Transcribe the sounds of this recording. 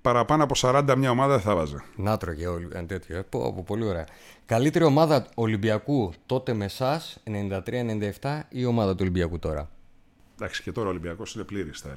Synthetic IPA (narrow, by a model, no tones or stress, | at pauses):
pɐɾɐpɐnoɐpo̞sɐɾɐnd̪ɐmɲɐo̞mɐðɐeθɐvɐzenɐt̪ɾoʝeolient̪e̞t̪çoepo̰popo̞lio̞ɾe̞ɐ | kɐlit̪e̞ɾio̞mɐðɐo̞libiɐkut̪o̞t̪e̞me̞sɐse̞ne̞nind̪ɐt̪ɾiɐenenind̪ɐeft̪ɐio̞mɐðɐt̪ulimbiɐkut̪o̞ɾɐ̰ | d̪ɐksi̥cet̪o̞ɾɐo̞limbiɐko̞sinepliɾist̪ɐ